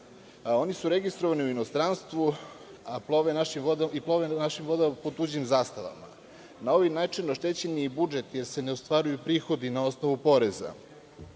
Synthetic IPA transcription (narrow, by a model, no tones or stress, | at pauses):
o̞nisuɾe̞ɡist̪ɾoʋaniuinost̪ɾanst̪ʋuaploʋenaʃimʋod̪aiplˠoʋenaʃimvo̞d̪amapot̪ud͡ʑimzaːst̪aʋa̰ma̰ | nao̞ʋinaːt͡ʃinoʃt̪e̞t͡ɕeniibud͡ʒet̪je̞ɾse̞ne̞ost̪ʋaɾujupɾiːxo̞d̪inao̞sno̞ʋupo̞ɾe̞za̰